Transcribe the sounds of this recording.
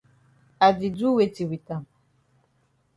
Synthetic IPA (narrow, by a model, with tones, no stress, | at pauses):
a˨vi˨d͡zu˦we˦ti˨wi˨ta˦˨m